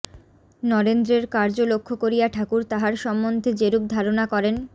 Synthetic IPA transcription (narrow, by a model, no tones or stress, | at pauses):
nɔɾend̪ɾeɾkaɾd͡ʑolokʰːokoɾijaʈʰakuɾt̪aɦaɾʃɔmːond̪ʱed͡ʑeɾub̚d̪ʱaɾonakɔɾen